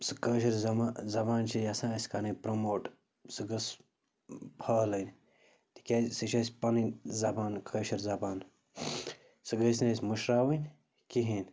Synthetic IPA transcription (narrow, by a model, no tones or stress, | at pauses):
sɨkəːʃ̬ɐɾzɐmazɐbaːnt͡ʃʰiɐsãːsʲkanipɾɐmoːʈ | sɨɡɐs | pʰɐːlɐn | t̪i̥kʲaːsɨt͡ʃɐsʲpɐnizɐbaːnkʰəːʃɐɾzɐbaːn | sɨɡɐs̬nɐsʲmuʃɾaːwinʲ | kiɦiːnʲ